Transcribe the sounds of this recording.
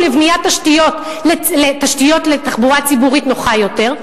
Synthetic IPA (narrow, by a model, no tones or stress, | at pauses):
levnijat̪ːaʃtijo̞t̪ | leletaʃtijo̞t̪le̞t̪aχbuʁat͡sibuʁitno̞χajo̞te̞ʁ